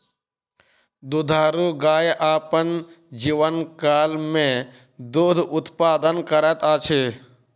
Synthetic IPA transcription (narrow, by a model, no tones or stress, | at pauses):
d̪ud̪ʱaːɾuɡaːjʔaːpən | d͡ʒiʋənkaːlmẽ | d̪oːd̪ʱʔʊt̪paːd̪ənkəɾɛt̪aːt͡ʃʰe